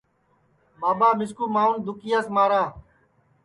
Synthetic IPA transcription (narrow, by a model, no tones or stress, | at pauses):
baːbaːmɪskuːmaːund̪ʊkɪjaːsmaːɾaː